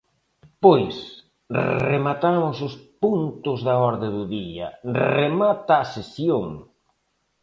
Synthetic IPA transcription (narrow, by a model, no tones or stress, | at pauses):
pojs | remat̪amʊsʊspunt̪ʊzðɐɔɾðɪðʊðiɐ̰remat̪aːsesjoŋ